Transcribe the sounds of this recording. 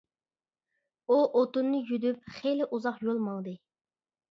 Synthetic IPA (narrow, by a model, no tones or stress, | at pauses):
uʔot̪unːɨjyd̪yp̚χejlɪʔuzɑqjolˠmɑlˠd̪ɨ